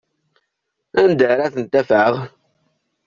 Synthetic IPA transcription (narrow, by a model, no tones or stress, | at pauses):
ænd̪əɾaθənt̪ːæfʕəʁ